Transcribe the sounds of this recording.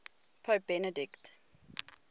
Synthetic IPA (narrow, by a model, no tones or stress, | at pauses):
pʰəːp̚b̥ɛnədɪkt